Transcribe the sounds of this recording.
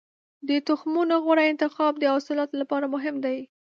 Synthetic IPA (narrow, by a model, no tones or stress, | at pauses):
d̪ət̪ʊxmunoɣwaɽaɪnt̪ɪxɑb̚d̪əɑsɪlɑt̪olapɑɾamʊɦɪmd̪aj